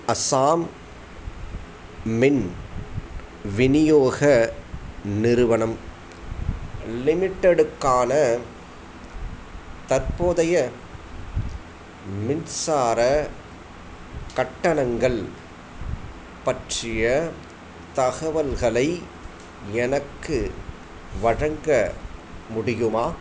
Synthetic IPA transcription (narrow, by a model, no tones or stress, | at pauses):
ɐsaːm | ɪn | ʋɪnɪjoːɣɐ | nɪɾɯʋɐnɐm | lɪmɪʈːɐɽɯkːaːnɐ | t̪ɐɾpoːðɐjɐ | mɪnsaːɾɐ | kɐʈːɐnɐŋɡɐɭ | pɐʈrɪjɐ | t̪ɐɣɐʋɐlɣɐɭɐɪ | ɛnɐkːɯ | ʋɐɻɐŋɡɐ | mʊɽɪjɯmaː